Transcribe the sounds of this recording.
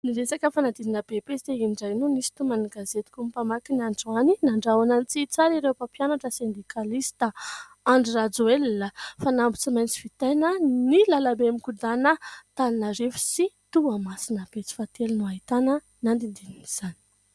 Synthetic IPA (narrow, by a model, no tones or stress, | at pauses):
niɾesakəfanad̪ininəbepest̪einiɳɖ͡ʐajnunisi̥t̪umaniɡazet̪i̥kumipamakinaɳɖ͡ʐuaninaɳɖ͡ʐawanant͡sit͡saɾiɾewpapjanaʈ͡ʂəsend̪ikʰalist̪ə | aɳɖ͡ʐirad͡zuelːəfanambu̥t͡simajnt͡si̥fit̪ajnənilalabemikud̪anət̪annarefi̥sit̪uamasinəb̥et͡si̥fat̪elunuaɦit̪anə | nand̪ind̪ininiz̥ani̥